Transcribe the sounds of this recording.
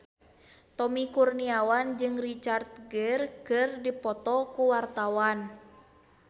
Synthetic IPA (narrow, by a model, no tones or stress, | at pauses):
t̪ɔmikurniawand͡ʒɨŋrit͡ʃart̪̚ɡərkɨrdipɔt̪ɔkuwart̪awan